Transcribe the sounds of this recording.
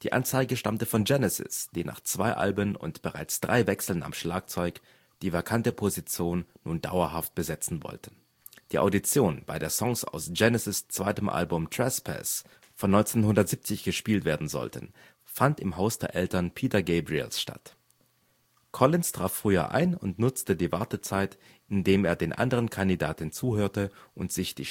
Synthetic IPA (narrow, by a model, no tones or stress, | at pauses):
d̥iːʔa̰nt͡saɪɡəʃtamtəfɔnd͡ʒɛnɛsɪ̰sd̥iːna̰ːχt͡sv̥aɪʔa̰lbənʊ̰ntb̥əʁa̰ɪt͡sd̥ʁa̰ɪvɛksl̩na̰mʃlaːk̚t͡sɔʏk | d̥iːvakʰantəpʰozit͡sjoːnːuːnda̰ʊɐhaft̚b̥əzɛt͡sn̩vɔ̰ltən̩ | d̥iːʔa̰ʊdit͡sjoːnb̥aɪdeːɐsɔŋsa̰ʊsd͡ʒ̥ɛnɛsɪst͡sv̥aɪtəmʔa̰lbʊmtʁ̥ɛspʰɛ̰s | fɔnːɔʏnt͡senhʊndɐtz̥iːp̚t͡sɪçɡ̥əʃpiːltv̥eːɐdn̩zɔ̰ltʰə̰n | fantɪmɦaʊsd̥eːɐʔɛltɐnpʰiːtɐɡɛɪbʁḭlsʃta̰t | kʰɔlɪnstʁ̥aːffʁ̥yːɐ̰ʔa̰ɪnʊntnʊt͡stədiːvaɐtət͡saɪt | ʔɪndeːmeːɐdeːnʔa̰ndəʁ̞ənkʰandidaːtɪnt͡suːhøːɐtəʔʊntz̥ɪçd̥ḭː